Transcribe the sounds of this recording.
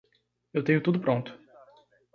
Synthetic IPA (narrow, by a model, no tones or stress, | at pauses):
ewt̪ẽɲʊt̪ud̪ʊpɾõnt̪ʊ̥